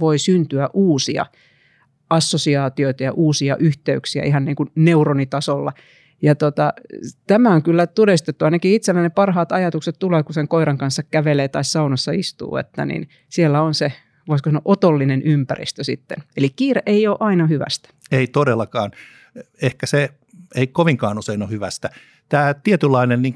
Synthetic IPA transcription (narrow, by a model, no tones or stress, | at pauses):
ʋoisynt̪yæʔuːsiɑ̰ | ɑsːosiɑːt̪ioit̪ɑjɑ̰ʔuːsiɑ̰ʔyht̪eyksiæ̰ʔiɦɑnniːŋkunneuronit̪ɑsolːɑ̰ | jɑt̪ot̪ɑt̪æmæoŋkylːæt̪odest̪et̪ːuɑinɑkiit̪selːænepɑrhɑːt̪ɑjɑt̪ukset̪t̪uleːkuseŋkoiɾɑŋkɑnsːɑkkæʋeleːt̪ɑissɑunɑsːɑist̪ṵːḛt̪ːæ̰nḭn | sielːæonse | ʋoiskosɑno̰ʔot̪olːinenʔympæ̰rḭst̪øsḭt̪ːḛnelikkiːreʔeioːʔɑinɑhyʋæ̰st̪æ̥eit̪odelːɑkɑːn | ehkæse | eikoʋiŋkɑːnuseinohyʋæst̪æ | t̪æːt̪iet̪ylːɑinenniŋ